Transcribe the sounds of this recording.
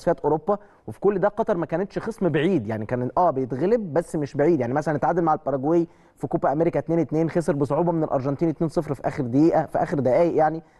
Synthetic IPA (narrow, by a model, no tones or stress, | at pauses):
sˤfæːt̪ʔoɾopːæ | wefi̥kolːd̪æqɑt̪ˤɑɾˤmækæːnet̪ʃxesˤmbeʕiːd̪jaʕnikæːnʔæːbejet̪ɣeleb̚bæsːmeʃbeʕiːd̪jaʕnimæsælænːet̪ʕad̪elmaʕalpɑɾˤɑɡwej | fikuːbæʔæmeɾekæt̪neːnwet̪neːnxes̬eɾbesˤoʕuːbɑmenelʔɑ̰ɾˤʒɑnt̪iːnet̪neːnsˤefɾfiʔæ̰ːxeɾd̪æjiːʔæfiʔæ̰ːxeɾd̪æʔæːjeʔjaʕni